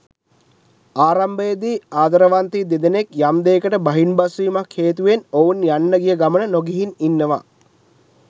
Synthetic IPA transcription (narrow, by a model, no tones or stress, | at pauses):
aːɾambəjəd̪iːaːd̪ɐɾəʋant̪iːd̪ed̪ənekjamd̪eːkəʈəbaɦinbasʋiːmakʰːeːt̪uʋenounjanːəɡijəɡamənənoɡiɦininːəʋa̰